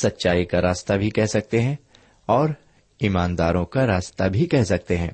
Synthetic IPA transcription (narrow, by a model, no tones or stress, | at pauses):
sɐtːʃaːikaɾaːst̪abʱikɛɦsɐk̚t̪eɦɛ̃ | ɔːɾ | iːmaːnd̪aːɾõkaɾaːst̪abʱikɛɦsɐk̚t̪eɦɛ̃ː